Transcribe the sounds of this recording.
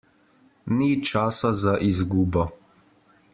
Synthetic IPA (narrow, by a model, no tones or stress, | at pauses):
nit͡ʃaːsazaʔizɡuːbɔ